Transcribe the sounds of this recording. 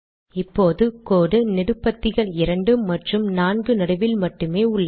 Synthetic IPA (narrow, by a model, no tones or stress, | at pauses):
ɪpːoːðɯkoːɽɯnɪɽɯpːɐt̪ːɪɣɐɭɪɾɐɳɖɯmːɐʈrɯmnaːnɡɯnɐɽɯʋɪlmɐʈːɯmeːʊɭːɐ